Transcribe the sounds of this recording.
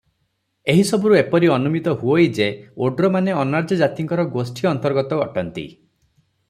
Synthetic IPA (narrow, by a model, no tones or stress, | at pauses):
eɦisɔbuɾuepɔɾiɔnumit̪ɔɦuojd͡ʒeoɖɾɔmaneɔnaɾd͡ʒɔd͡ʒat̪iŋkɔɾɔɡosʈʰiɔnt̪ɔɾɡɔt̪ɔɡɔʈɔnt̪ḭ